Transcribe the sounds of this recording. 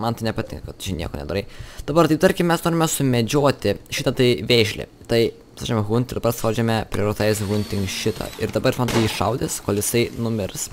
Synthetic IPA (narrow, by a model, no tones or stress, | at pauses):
mɐnt̪ɐɪnʲɛpɐt̪ʲɪ̰ŋkot̪t͡ʃʲɪnʲḭɛkoːnʲɛ̰d̪oːɾɐɪd̪̥ɐbɐɾt̪ɐɪpt̪ɐɾʲkʲɪmmʲɛsnoːɾʲɪmʲɛsʊmʲɛd͡ʒʲoːt̪ʲɪʃʲɪt̪ɐt̪ɐɪʋʲeːʃʲlʲɪ̰ | t̪ɐɪ | sɑːd͡ʒʲɛmɛɣʊnt̪ɪɾd̪ɐbɐɾsɑːd͡ʒʲɛmʲɛpʲɾʲioɾɪt̪ɑsɣʊnʲt̪ʲɪŋkʃʲɪt̪ʰɐ̰ɪɾd̪ɐbɐɾmɐnt̪ɐɪiʃɐʊd̪ʲɪskoːlʲˠjɪsɐɪnʊmʲɪɾs